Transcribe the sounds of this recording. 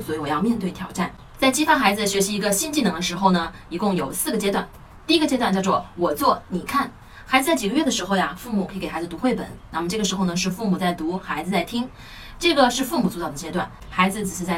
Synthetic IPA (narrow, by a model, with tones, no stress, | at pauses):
swɔ˧˥i˧˥wɔ˨˩jɑ˥˧ʊmjɛ˥˧nt̪we˥˩ɪt̪ʰjɑ˨˧˩ʊʈ͡ʂa˥˩n | t͡sa˥˩ɪt͡ɕi˥fɑ˥nxa˧˥ɪd͡zɹ̩˧ə˧˩ɕɥɛ˧˥ɕi˧˥i˧˥ɡə˧ɕi˥nt͡ɕi˥˩nɤ˧˥ŋd̪ə˧ʂɻ̩˧˥xo˥˧ʊnə˩ | i˨˩˥kʊ˥˩ŋjo˨˩ʊsɹ̩˥˩ɡə˩t͡ɕjɛ˥t̪wa˥˧n | t̪i˥˩i˧˥ɡə˧t͡ɕjɛ˥t̪wa˥˧nt͡ɕjɑ˥˧ʊt͡swɔ˥˩wɔ˨˩t͡swɔ˥˩ni˨˩kʰa˥˩n | xa˧˥ɪd͡zz̩˧t͡sa˥˩ɪt͡ɕi˨˩ɡə˦ɥɛ˥˩d̪ə˩ʂɻ̩˧˥xo˥˧ʊja˩fu˥˩mu˨˩kʰɤ˧˥˧e˨˩xa˧˥ɪ˩˧t̪u˧˥xwe˥˩ɪpə̰˨˩˦nna˥˩mə˩ʈ͡ʂɤ˥˩ɡə˩ʂɻ̩˧˥xo˥˧ʊnə˩ʂ̬ɻ̩˥˧fu˥˩mu˨˩t͡sa˥˩ɪt̪u˧˥xa˧˥ɪd͡zɹ̩˧t͡sa˥˩ɪt̪ʰi˥ŋ | ʈ͡ʂɤ˥˩ɡə˩ʂɻ̩˥˧fu˥˩mu˨˩t͡su˥˧t̪ɑ˥˩d̪ə˩t͡ɕjɛ˥t̪wa˥˩n | xa˧˥ɪd͡zɹ̩˧ʈ͡ʂɻ̩˨˩ʂɻ̩˥˧t͡sa˥˩ɪ